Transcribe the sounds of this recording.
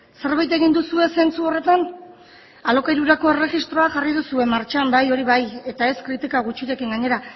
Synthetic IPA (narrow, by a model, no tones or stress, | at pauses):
se̞ɾβajt̪e̞ɣind̪usue̞se̞nt͡suo̞re̞t̪an | alo̞kajɾuɾako̞e̞re̞ɣist̪ɾo̞axariðusue̞maɾt͡ʃambajo̞ɾiβaje̞t̪ae̞skɾit̪ikaɣut͡ʃiɾe̞kiŋɡaɲe̞ɾa